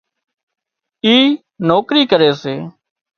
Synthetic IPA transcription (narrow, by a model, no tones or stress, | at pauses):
iː | noːkɾiːkəɾeːseː